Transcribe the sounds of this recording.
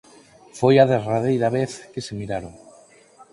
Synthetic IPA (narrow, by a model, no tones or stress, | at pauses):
fojaðeraðejɾaβeθkesemiɾaɾoŋ